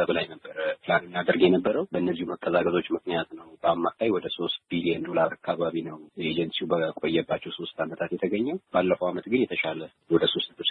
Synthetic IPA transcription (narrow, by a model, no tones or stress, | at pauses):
əβlajnəbːəɾəpɨlanɨnːad̪əɾɡjɛnəbːəɾəwbəɨnːəzːihuməkʼːəzakʼəzo̞t͡ʃːmɨknijat̪nəwb̥əamːakʰajwɔd̪əso̞st̪̚bilijɛnd̪o̞laɾakʰːaβaβinəwed͡ʒənsiubəkʼo̞jːɛbːat͡ʃːɛwso̞st̪amət̪ʰat̪jɛt̪ʰəɡəɲːɛwb̥alːəfəwamət̪ɡɨnjɛt̪ʰəʃalə | wɔd̪əso̞st̪